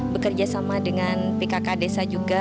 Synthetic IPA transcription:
bəkərd͡ʒasamadəŋanpekakadesad͡ʒuɡa

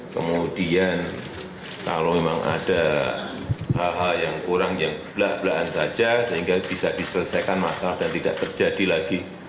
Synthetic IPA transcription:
kə̰mudian | ka̰lomemaŋa̰d̥a | halɦaljaŋkuɾaŋjaŋb̥laʔb̥laʔansad͡ʒasəɦiŋɡab̥isadisələsajkanmasalahd̥ant̪ida̰ʔt̪ərd͡ʒad̥ilaɡi

